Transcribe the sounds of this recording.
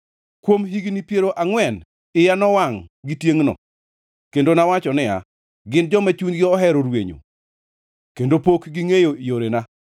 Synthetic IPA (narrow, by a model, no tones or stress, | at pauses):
kwomɦiɡnipjeɾoʔaŋwɛn | ɪjanɔwaŋɡitjeŋnɔ̰ | kendonawat͡ʃɔnɪa̰ | ɡɪnd͡ʒɔmɛt͡ʃuɲɡɪɔɦɛɾoɾweɲo̰ | kendopokɡiŋejoijoɾena